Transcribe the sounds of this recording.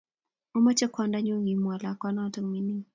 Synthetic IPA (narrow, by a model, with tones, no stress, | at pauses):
ɔ˦mɔ˦t͡ʃɛ˦kwanda˦ɲo˦ŋi˨mwa˨la˨kwa˦na˦ta˦˨ŋmi˨ni˦